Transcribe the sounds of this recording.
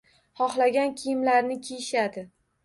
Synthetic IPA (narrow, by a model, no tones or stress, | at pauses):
hɒχlaɡʲankʲʰɪjɪmlaɾnɪkʲʰejʃad̪ɪ